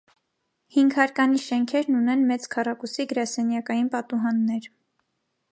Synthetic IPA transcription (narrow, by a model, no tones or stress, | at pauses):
hiŋɡhɑɾkɑniʃɛŋkʰɛɾnunɛnmɛt͡skʰɑrɑkusiɡəɾɑsɛnjɑkɑjinpɑt̪uɦɑnːɛɾ